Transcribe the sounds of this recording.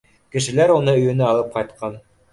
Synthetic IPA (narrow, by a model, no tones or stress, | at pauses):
kɘ̆ʃɘ̆læɾunɤɵ̆jɵ̆nɘɑlˠɤp̚qɑjt̪̚qɑn